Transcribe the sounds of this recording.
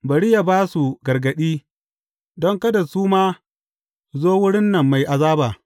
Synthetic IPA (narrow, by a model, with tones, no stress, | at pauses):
bɐ˨ɽɪ˦ja˨baː˦su˨ɡɐ˨rɡɐ˨ɗiː˦ | dɔ˦ŋkɐ˦da˨suː˦maː˦ | zoː˦wʊ˦ɽɪ˦nːɐ˨mːa˨jʔa˨zaː˦baː˨